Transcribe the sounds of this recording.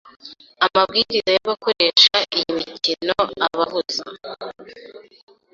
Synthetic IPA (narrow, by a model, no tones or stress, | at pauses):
amab̚ɡiːɾizajoβako̞ɾeːʃaʔijimicinoaβahuza̰